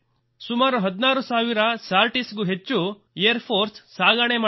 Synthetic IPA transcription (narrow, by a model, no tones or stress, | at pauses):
sumaːɾuɦɐd̪naːɾusaːʋiɾɐsaːɾʈisɡuɦet͡ʃːu | ejɐɾpʰoːɾsːaːɡaːɳemaː